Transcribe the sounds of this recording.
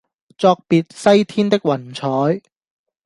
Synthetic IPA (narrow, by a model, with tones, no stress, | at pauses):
t͡sɔː˧k̚piː˨˧t̚sɐ˥jt̪ʰiː˥nt̪ɪ˥k̚wɐ˨˩nt͡sʰɔː˨˥j